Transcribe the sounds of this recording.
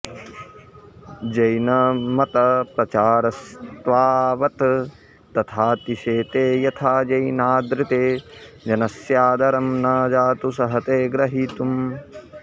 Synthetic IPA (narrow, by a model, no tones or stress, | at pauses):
d͡ʒɐjnɐmɐt̪ɐpɾɐt͡ʃaːɾɐst̪ʋaːʋɐt̪ | t̪ɐt̪ʰaːt̪iʃeːt̪eːjɐt̪ʰaːd͡ʒɐjnaːd̪ɾɪt̪eː | d͡ʒɐnɐsjaːd̪ɐɾɐmnaːd͡ʒaːt̪usɐɦɐt̪eːɡɾɐɦit̪um